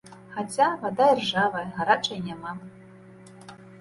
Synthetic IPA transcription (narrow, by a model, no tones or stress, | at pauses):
xat͡sʲavad̪ajʲɛrʐavɐɣaɾat͡ʂɐjnʲama